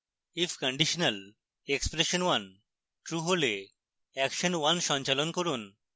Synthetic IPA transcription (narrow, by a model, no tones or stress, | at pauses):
ifʰkəɳɖiʃonal | ekspɾeʃonwan | ʈɾuɦole | ɛkʃonwanʃɔnt͡ɕalonkoɾun